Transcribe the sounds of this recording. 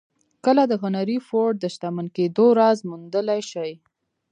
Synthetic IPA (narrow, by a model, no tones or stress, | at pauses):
kəlad̪əɣʊnaɾifoɾɖ̚d̪əʃt̪amanked̪oɾɑzmund̪əlajʃəj